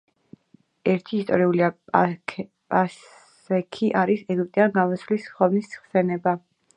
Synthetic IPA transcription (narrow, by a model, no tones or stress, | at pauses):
ɛɾt̪ʰiːst̪ʼɔ̰ɾiulia | pʼa | ɛkʰiʔaɾisɛɡip̚ʼt̪ʼianɡamɔsvlisχɔnisχsɛnɛba